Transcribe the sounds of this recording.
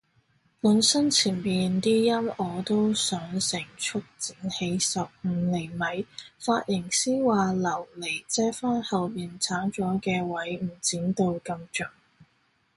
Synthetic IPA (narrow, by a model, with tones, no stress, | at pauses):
lɵ˨˧nsɐ˥nt͡sʰiː˨˩npiː˨˧nt̪iː˥jɐ˥mɔː˨˧t̪o˥wsœː˨˥ŋsɪ˨˩ŋt͡ʃʰʊ˥k̚t͡siː˨˥nhe˨˧jsɐ˨p̚m̩ː˨˧˥lɪ˨˩mɐ˨˥jfaː˧t̚jɪ˨˩ŋsiː˥waː˨lɐ˨˩wle˨˩jt͡sɛː˥faː˥nhɐ˨wjiː˨nt͡sʰaː˨˥ŋt͡sɔː˨˥kɛː˧wɐ˨˥jm̩˨˩t͡siː˨˥nt̪o˧wkɐ˧mt͡ʃœː˨˩ŋ